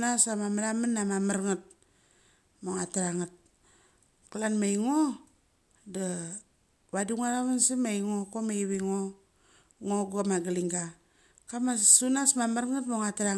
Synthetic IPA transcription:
nasamamaɾamanːamamaɾŋat̚ | moŋataɾaŋat̚ | kalanmajŋo | da | βaduŋaɾaβansimajŋokomejβiŋo | ŋoɡamaɡaliŋɡa | kamasunasmamaɾŋatmoŋataɾa

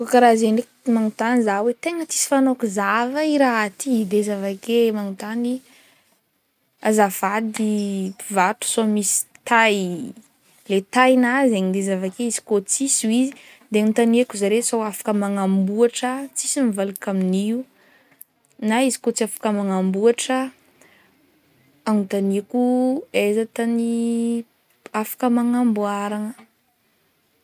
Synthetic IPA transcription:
kokaɾazenekmaŋut̪anizawet̪eŋət͡si̥si̥fanokuzavəiɾaɦat̪id̪ezavakemaŋut̪ani | azavad̪ipivat̪u̥soamisi̥t̪aj | let̪ajnazeɲid̪ezavakeizi̥kot͡sisuizi | d̪eanit̪anekuzaɾesowafḁkəmaŋambuaʈ͡ʂət͡sisinivalakaminiu | naizi̥kot͡siafḁkəmaŋambuaʈ͡ʂə | aŋut̪aniakuezat̪ani | afḁkəmaŋambuaɾaŋə

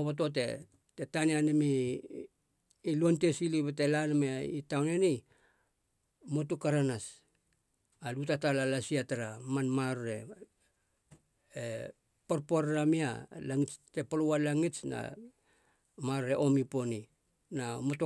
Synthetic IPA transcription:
oβot̬o̞t̬e̞̰ | tetanianemi | lonte̞siliβete̞lanmeaitawneni | motukaɾanas | alutatalalasiataɾamanmaɾoɾe̞̰ | e | poɾpoɾːamia̰laŋit͡ʃte̞polowalaŋit͡ʃna̰ | maɾɾe̞ʔo̞mipo̞ni | namoto

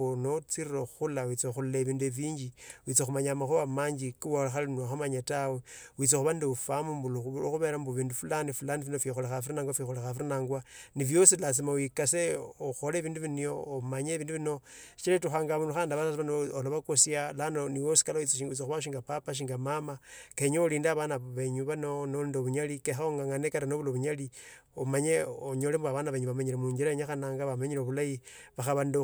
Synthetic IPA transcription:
unot͡siɾiɾoxulawit͡sexululeβiːndueβiːɲɟiwit͡sexumaɲamaxuβamaɲd͡ʒikolaxalnaxamaɲatawewit͡sexuβandiufamumbuloxuβe̞ːɾambuβiːndufulanifulanifinofixolexafiɾinaŋɡwafixolexafiɾinaːŋɡwaniβjo̞silas̬imawikaseoxoleβiːnduβinijoːmaɲeβiːnduβino̞i̥t͡ʃiletuxaːŋɡaβunuxaːndaβasasβanoloβakosjalanoniwosi̥kalait͡siʃiŋɡut͡sixuβaʃ̬iŋɡapapaʃ̬iŋɡamamakeɲooliːndaβanaβeɲuβanonondoβuɲalikexaoŋɡaŋanekaɾanoβuloβuɲaliomaɲeoɲolembaβanaβeɲuβamaɲilemuːɲɡiɾaeɲaxanaːŋɡaβamaɲileβulajiβaxaβando

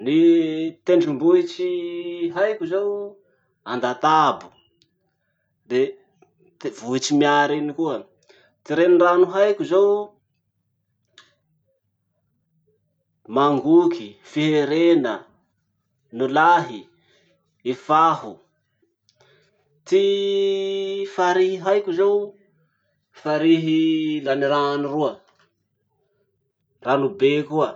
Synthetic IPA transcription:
nit̪eɳɖ͡ʐumbuit͡ʃiɦajkʲuzew | and̪at̪abu̥ | d̪e | t̪ivuit͡ʃimiaɾinikuə | t̪iɾenranuɦajkuzew | maŋɡukifiɦeɾenə | nulaɦi | ifaɦu | t̪i | faɾiɦiɦajkʲuzew | faɾiɦilaniɾanuruə | ranubekuə

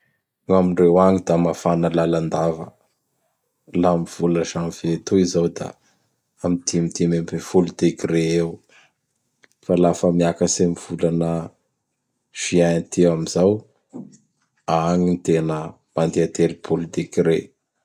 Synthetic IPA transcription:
namiɳrewaɲid̪amafanəlaland̪avə | lamiv̥uləʒamiv̥et̪uizawd̪a̰ | amid̪imit̪imemefulit̪ikireew | falafəmiakəsamiv̥ulanə | ʒ̥iant̪ʰewamizaw | aɲint̪enə | mand̪eat̪elipʰolit̪ikiɾe

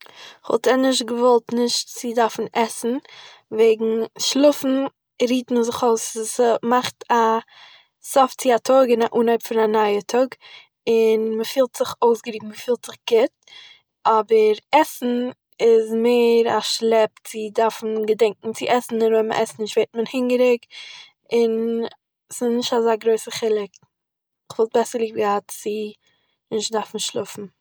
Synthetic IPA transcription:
χɔ̰lˠtɛnɪʃtɡəvɔlˠtnɪʃtt͡sɪdaɾfn̩ʔɛsn̩ | veɪɡŋ̩ʃlˠʊfn̩ | ɾiːtməzɪχoʊsmaχta | sɔft͡sɪatʰɔɡɪnaʔuːnaɪpfɪnanaɪətʰɔɡ | ɪnməfiːlˠtz̥ɪχoʊsɡəɾiːɡ̚ŋməfiːlˠtz̥ɪχɡ̥ɪt̚ | ɔbəɾɛsn̩ | ɪzmeɪɾaʃlˠɛp̚tt͡sɪdaɾfn̩ɡədɛŋkŋ̩t͡sɪʔɛsn̩ɪnɔmə̰ʔɛsn̩ɪʃtveɪt̚mənhɪŋɡəɾɪk | ɪn | sɪznɪʃtazaːɡɾoɪsəχɪlˠɪk | ɪχv̥ɔlˠt̚bɛsəɾlˠiːbɡəhatt͡sɪ | nɪʃdaɾfn̩ʃlˠʊfn̩

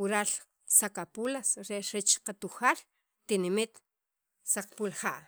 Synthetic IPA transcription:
uɾaːl | sakapulasɾeʔɾet͡ʃqat̪uxaːl | t̪inimit̪ | saq͡χpulχaʔ

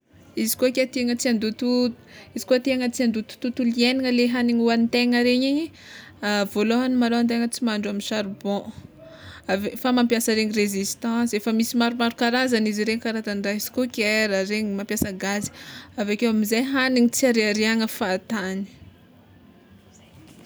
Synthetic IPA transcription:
izi̥koakʲet̪eŋət͡siand̪ut̪ut | izi̥koat̪eŋət͡siand̪ut̪u̥t̪ut̪ulieniŋəleɦaniɲuwant̪eŋəɾeɲiɲ | avoloɦanimaloant̪̬eŋət͡simaɳɖ͡ʐuaminʃaɾbɔ̃ | avefamãmpjasəɾeɲirezist̪ɑ̃sefəmisimaɾumaɾukaɾazaniziɾeɲikaɾat̪aɳɖ͡ʐaɦizi̥kokʲeɾaɾeɲimampjasəɡazi̥avakewamizajɦaniŋit͡siaɾeaɾeaŋəfaːt̪ani̥

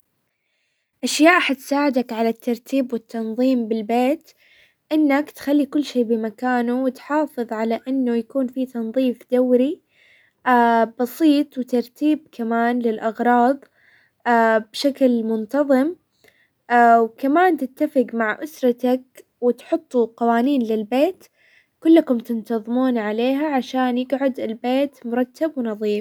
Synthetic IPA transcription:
ʔaʃjaːʔħat̪saːʕɪd̪akʕalat̪ːɑɾˤt̪ʰiːbwɪt̪ʰːɑnðˤiːmbɪlbeːt̪ | ʔɪnːakt̪xalːikʊlːʃeːbɪmakaːnuwɪt̪ħɑːfɨðˤʕalaʔɪnːʊjakuːnfit̪ɑnðˤiːfd̪awɾi | ʔabɑsiːt̪ˤwɪt̪ɑɾˤt̪iːb̚kamaːnlɪlʔɑɣɾˤɑːðˤ | abʃaklmʊnt̪ɑðˤɨm | ʔawkamaːnt̪ɪt̪ːafɪqmaʕʔʊsɾˤɑt̪ak | wɪt̪ħʊt̪ˤːuqɑwaːniːnlɪlbeːt̪ | kʊlːakʊmt̪ɪnt̪ɑðˤmuːnʕaleːɦaʕaʃaːnjɪɡʕʊd̪ɪlbeːt̪mʊɾˤɑt̪ːabwɪnɑðˤiːf

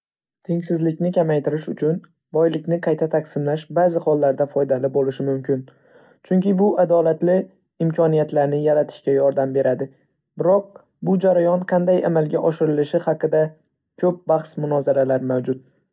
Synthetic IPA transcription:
t̪ʰeŋsɪzlɪkʲnɪkʲʰamajt̪ʰɪɾɪʃʊt͡ʃʰʊn | bɒjlɪkʲnɪqʰɑjt̪ʰat̪ʰaqsɪmlaʃbazɪhɒlˠːaɾd̪afɒjd̪alɪbolɪʃɪmʊmkʲʰɪn | t͡ʃʰʊŋkʲɪbʊʔad̪ɒlat̪lɪ | ɪmkʲʰɒnijat̪laɾnɪjaɾat̪ʰɪ̥ʃkʲajɒɾd̪ambe̞ɾad̪ɪ | bɪɾɒq̚ | bʊd͡ʒaɾajɒnqʰɑnd̪ajamalˠɡʲaʔɒʃɪɾɪlɪʃɪhɑqɨd̪a | kʲʰɵp̚baχsmʊnɒzaɾalaɾmawd͡ʒʊt̪̚

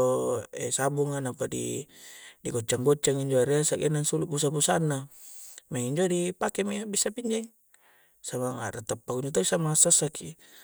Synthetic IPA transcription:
ɛsabuŋanapadḭ | diɡot͡ʃːaŋɡot͡ʃːaŋiɲd͡ʒoaɾeasaɡenaŋsulubus̬abusanːamaŋiɲd͡ʒodipakemiabisapiɲd͡ʒaiŋ | samaŋa̰ɾat̪apːakuɲd͡ʒot̪oisamaŋasasaki

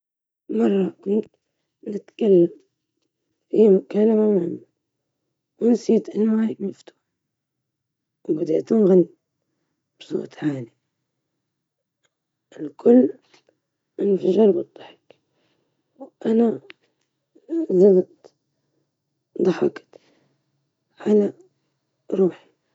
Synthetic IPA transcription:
mɑrˤːɑkuːnt̪ | nɪt̪kalːam | fimʊkaːlamamʕɪmːa | wɪnsiːt̪ʔɪnːwaːjɪd̪nɪft̪u̥ː | wbad̪ḛʔt̪ʊnɣanːi | b̥sˤo̰ːt̪ˤʕaːli | ɪlkʰʊlː | ɪnːfaʒɑɾˤbɨd̪ˤːɑħɪ̥k | wʔana | zamt̪ | d̪ˤɑħɑkt̪ | ʕala | ɾˤuːħi̥

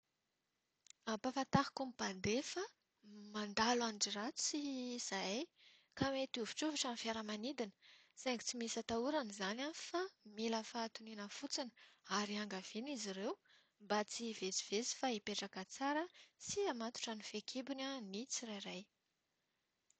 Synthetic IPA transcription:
apafat̪aɦḁkumipand̪efa | mand̪alanʈ͡ʂirat͡su̥siz̥aj | kamet̪uvi̥ʈ͡ʂuvaʈ͡ʂanifaɾəmanid̪inə̥saŋɡit͡simisət̪auɾanizananfamiləfaːt̪uninəfut͡sinə̥aɾiaŋɡav̥iniziɾew | mbat͡sivet͡si̥v̥esi̥faipeʈ͡ʂakət͡saɾəsiamat̪u̥ʈ͡ʂanifekʰibinanit͡sirajɾaj

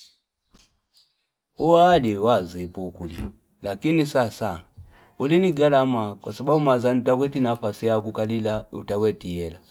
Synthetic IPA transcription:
ualiwazipukuli | lakinisasa | uliniɡalamakwasababumazanutakwɛtinafasijakukalilaṵtakwɛtiɛla

